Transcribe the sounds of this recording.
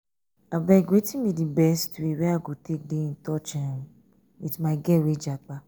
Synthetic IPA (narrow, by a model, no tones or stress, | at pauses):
abɛɡetĩmĩdibɛstuiwiaɡotedeĩtɔt͡ʃɛ̃ɾ̃ | witmãɡɛwed͡ʒak͡pa